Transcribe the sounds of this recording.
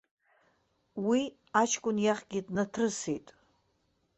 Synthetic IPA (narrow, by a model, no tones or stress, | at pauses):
wi | at͡ʃʰkʷʼʊnjaχɡʲidnatʰrɨsejtʼ